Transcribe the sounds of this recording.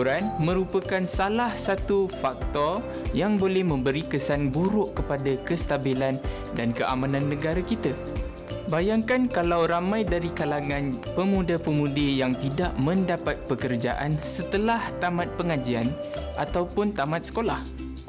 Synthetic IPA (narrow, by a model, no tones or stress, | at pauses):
ɾanmə̃ɾupakansalahsat̪ufak̚t̪ɔr | jaŋbolɛhmə̃mbəɾikəsanbuɾʊʔkəpadakəst̪abilan | dankəʔa̰mãnãnːə̃ɡaɾakit̪a | bajaŋkankalawɾamãjdaɾikalaŋãnpəmũdapəmũdijaŋt̪idaʔmə̃ndapat̪̚pəkərd͡ʒa̰ʔa̰nsət̪əlaht̪amãt̪̚pəŋad͡ʒianʔat̪awpʊnt̪amãt̪̚sə̥kolah